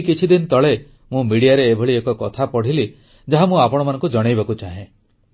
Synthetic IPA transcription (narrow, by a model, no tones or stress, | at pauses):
kit͡ʃʰid̪inɔt̪ɔɭe | mũmiɽijaɾeːbʱɔɭiekɔkɔt̪ʰapɔɽ̤ili | d͡ʒaɦamũapɔɽ̃ɔmanɔ̃ŋkud͡ʒɔɽ̃ejbakut͡ʃaɦẽ